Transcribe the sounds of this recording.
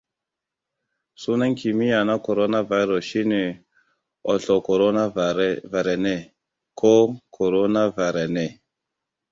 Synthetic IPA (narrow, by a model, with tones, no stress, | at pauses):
su˦na˦ŋkʰi˨mi˦ja˨na˦ko˨ɾo˦na˦va˨˦jɾɔ˨ʃi˦ne˨ | ɔ˨ɬɔ˨ko˨ɾo˦na˦va˨ɾɛ˨nɛ˦˨ | kʰo˦kʰo˨ɾo˦na˦va˨ɾɛ˨ne˨